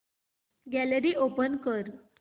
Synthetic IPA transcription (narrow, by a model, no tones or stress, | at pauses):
ɡæləɾiːʔopənkəɾ